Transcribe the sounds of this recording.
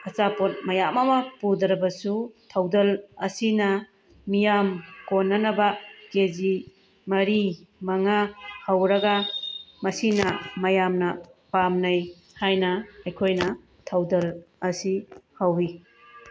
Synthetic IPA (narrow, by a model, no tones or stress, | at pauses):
ɐt͡ʃapot̚mɐjamɐmɐpudɾɐbɐsutʰawdɐlɐsinɐ | mijamkonːɐnɐbɐked͡ʒi | mɐɾimɐŋahawɾɐɡamɐsinɐmɐjamnɐpamnɐj | hajnɐɐjkʰojnɐ | tʰawdɐlɐsihawi